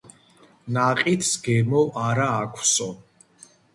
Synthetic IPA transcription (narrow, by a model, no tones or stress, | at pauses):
naqʼit̪ʰsɡɛmɔʔaɾaːkʷʰsɔ